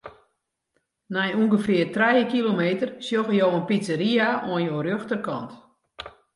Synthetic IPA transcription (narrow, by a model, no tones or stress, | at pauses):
nɛjuŋɡəfɪərtrɛjəkilomeːtərsjoɣəjowənpit͡səɾiaɔənjoːrjøxtərkɔ̰nt